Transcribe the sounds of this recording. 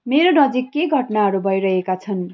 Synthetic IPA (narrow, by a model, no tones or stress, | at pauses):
meɾonʌd͡zikːeɡʱʌʈnaɦʌɾubʱʌjɾʌɦekat͡sʰʌn